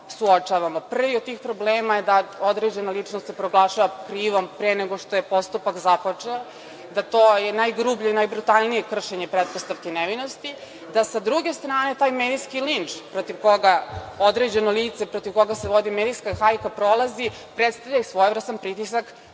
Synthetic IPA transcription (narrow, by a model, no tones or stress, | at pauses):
suot͡ʂaːʋamopr̩ʋiod̪̚t̪iːxpɾobleːmajed̪aod̪ɾe̞d͡ʑe̞nalˠit͡ʂnost̪sepɾoɡlˠaːʃaʋakɾiːʋo̞mpɾeneɡo̞ʂt̪ojepo̞st̪upakzapot͡ʂeo | d̪at̪oːjenajɡɾubʎoinajbɾut̪alˠnije̞kr̩ʃeɲe̞pɾet̪̚post̪aʋkenɛʋino̞st̪i | d̪asad̪ɾuɡe̞st̪ɾaːne̞t̪aːjmeːd̪iskilint͡ʂpɾot̪iʋko̞ɡaod̪ɾed͡ʑe̞noliːt̪sepɾot̪iʋko̞ɡaseʋo̞d̪imed̪iskaxajkapɾolˠazi | pɾet̪st̪avʎasʋo̞jevɾr̩st̪anpɾit̪isak